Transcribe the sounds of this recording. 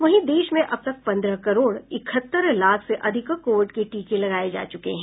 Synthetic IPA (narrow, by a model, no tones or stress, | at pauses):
ʋɐɦĩd̪eːʃmẽʔɐb̚t̪ɐk̚pɐ̃nd̪ɾəkɐɾoːɽɪkʰət̪ːəɾlaːkʰseʔɐd̪ʱɪkkoːʋʈkeʈiːkẽlɐɡaːed͡ʒa̰ːt͡ʃʊkḛɦɛ̃ː